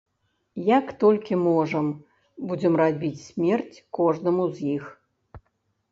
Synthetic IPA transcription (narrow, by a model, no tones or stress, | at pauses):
jakt̪ɔlʲkʲimɔʐɐm | bud͡zʲɛmrad͡zʲbʲit͡sʲsʲmʲɛrt͡sʲkɔʐnɨmuzʲjix